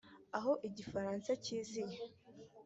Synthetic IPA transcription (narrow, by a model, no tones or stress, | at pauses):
aɦo̞ʔiɟifaɾaːnsaciːzije